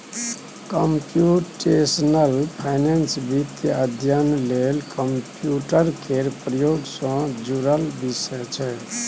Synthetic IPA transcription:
kəmpjuʈesnəlpʰajnensbit̪jəd̪ʱjənlelkəmpjuʈəɾkʰeɾpɾəjoɡsɔ̃d͡ʒuɾəlbisəjt͡ʃʰɛ

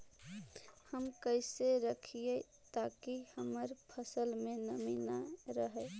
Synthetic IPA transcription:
həmkəɪseɾəkʰije | t̪akihəməɾpʰəsəlmẽnəminaɾəɦɛ

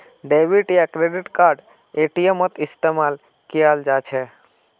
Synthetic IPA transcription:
ɖeʋiʈiakɾeɖiʈkaɾɖ | eʈijəmət̪ɪst̪emal | kijald͡ʒat͡ʃʰe

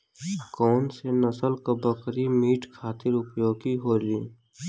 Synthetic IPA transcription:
kɔːnsenəsəlkobəkɾimiːʈkʰaːt̪ɪɾʊpjoːɡiɦoːliː

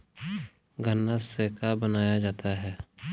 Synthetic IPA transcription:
ɡənːaseːkabənaːjad͡ʒaːt̪aɦɛː

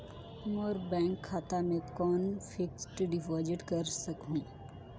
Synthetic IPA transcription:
məɾbɛ̃ːŋkʰːaːt̪amẽkɔːnfʰɪksʈɖɪʋaːd͡ʒɪʈkɐɾsəkɦũː

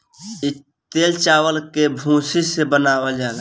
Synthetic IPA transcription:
i | t̪elt͡ʃawəlkebʱũsisebənawəld͡ʒaːla

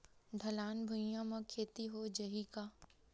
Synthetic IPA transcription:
d̪ʱɐlaːnbʱʊijãmãkʰeːt̪iɦod͡ʒɐɦikaː

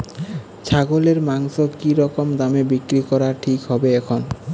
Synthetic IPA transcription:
t͡ɕʰaɡoleɾmaŋʃokiɾɔkomd̪amebikɾikɔɾaʈʰikɦɔbeɛkʰon

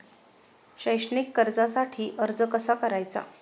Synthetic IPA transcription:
ɕəjɕnikːəɾd͡zasaʈʰiːʔəɾd͡zəkəsakəɾajt͡sa̰

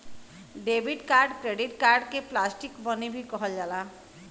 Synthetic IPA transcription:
ɖebʱiɖkaɾɖkɾeɖiʈkaɾɖkeplasʈikbɔnibʱikɔɦɔd͡ʒala

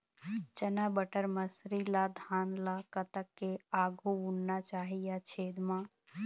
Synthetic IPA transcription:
t͡ʃənabəʈəɾməsɾilad̪ʱaːnlakət̪əkːeaːɡʱuunnat͡ʃaːɦijat͡ʃʰeːd̪mã

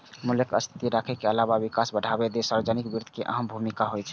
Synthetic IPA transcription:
muləkə̰st̪ʰi̥t̪iɾakʰekeəlaβabikasbəɽʱabed̪esaɾbed͡ʒənikbiɾd̪ʱkeʔə̰ɦəmbʱumikaɦojt͡ʃʰɛ

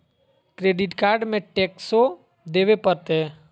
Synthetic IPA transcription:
kɾeɖɪʈkaːɾɖmẽʈekso | d̪eʋepəɾt̪e

